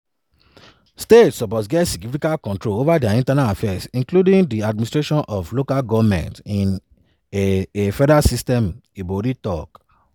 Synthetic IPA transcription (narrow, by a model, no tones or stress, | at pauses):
stetsɔpɔtɡɛtsiɡnifikalkɔ̃ntɾolovadaĩntanaafɛsĩŋkludĩŋdiad̚mĩnistɾeʃɔ̃nʔɔflokalɡɔvmɛ̰̃ntĩn | efɛdasistɛ̃miboɾitɔk